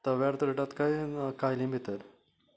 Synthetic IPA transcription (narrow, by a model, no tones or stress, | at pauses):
t̪əʋjaɾt̪ɾeʈat̪kajkajlĩmbʱit̪əɾ